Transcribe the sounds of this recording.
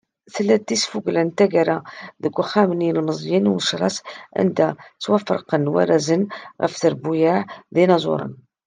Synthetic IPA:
θəlːæd̪ːisfuɡlənt̪æɡaɾaðəɡʷːxæməninəlməzˤjənuməʃɾˤɑ̰sʔæ̰nd̪æt͡sːwæfəɾˤqənwæ̰ɾæzənɣəfθəɾbujaʕðinɑzˤʊ̰ɾˤə̰n

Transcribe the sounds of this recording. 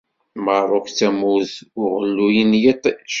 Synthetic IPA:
məɾˤokt͡sæmuðʊʁəlːujinjit̪ˤʃ

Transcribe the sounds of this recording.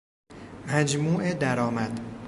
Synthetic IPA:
mæd͡ʒmuːʔed̪æɾɒːmæd̪̥

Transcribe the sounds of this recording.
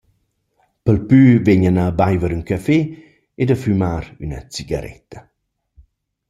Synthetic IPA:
pəlpyːvɛɲənabajvəɾyŋkafe | ed̪əfymaːɾynə̰t͡siɡa̰ɾɛ̰t̪ʰə

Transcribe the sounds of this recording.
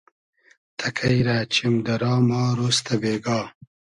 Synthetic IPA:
t̪ʰɐkʰɐjɾaːt͡ɕimd̪ɐɾɑːmɑːɾost̪ɐbeːɡɑː

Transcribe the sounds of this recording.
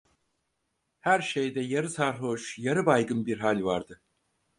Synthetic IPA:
hæɾʃejd̪ɛjaɾɯsaɾɦoʃjaɾɯbajɡɯnbiɾɦalʲvaɾd̪ɯ

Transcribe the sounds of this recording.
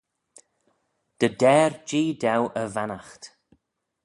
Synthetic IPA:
d̪̥əd̪ɛːɹd͡ʒiːd̪awʔəvanaxt̪

